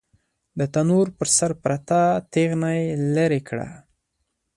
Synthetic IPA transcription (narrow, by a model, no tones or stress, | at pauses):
d̪ət̪anoɾpəɾsaɾpɾat̪at̪eɣnajlaɾekɽa̰